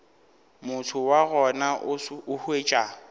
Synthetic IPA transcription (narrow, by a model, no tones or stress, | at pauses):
mʊtʰʊwaɣɔnaʊhweːt͡ʃʼa